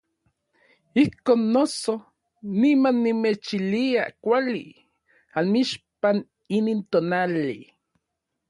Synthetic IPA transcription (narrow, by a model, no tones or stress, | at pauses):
ihkoːnːoso | nimanːimet͡ʃiliakʷalḭ | anmiʃpan | inint̪onali